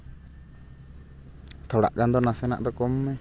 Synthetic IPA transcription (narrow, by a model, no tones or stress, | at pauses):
t̪ʰɔɽa̰ʔɡand̪ɔnasɛna̰ʔd̪ɔkɔmːɛ